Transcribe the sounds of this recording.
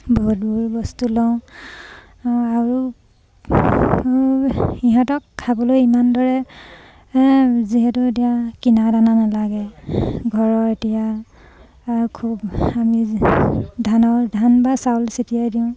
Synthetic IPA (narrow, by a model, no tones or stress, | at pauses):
bɔɦut̚buɹbɔstulɔ̃ | aɹu | iɦãtɔkʰːabɔlojimandɔɹɛ | ziɦɛtuet̬ijakinadananalaɡɛɡʱɔɹɔetijaː | ɹukʰubami | dʱanɔdʱanbasawlsitijajdiʊ̃